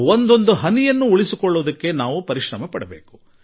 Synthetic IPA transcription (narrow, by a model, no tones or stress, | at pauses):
ond̪o̞nd̪uɦɐnijɐnːuuɭisikɔɭːuʋd̪ɐkːe̞naːʋupɐɾiʃɾɐmɐpɐɽɐbe̞ːku̥